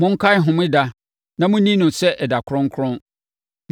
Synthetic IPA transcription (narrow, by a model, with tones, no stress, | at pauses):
mʊ̃˦ŋ̩˦kʰa˦˨˦ɦʊ̃˨mʊ̃˦da˦ | nã˦mʊ̃˦nĩ˦nʊ̃˨sɛ˦ʔɛ˨da˨kʰʊ˦ɾʊ̃˦ŋ˦kʰɾʊ̃˦n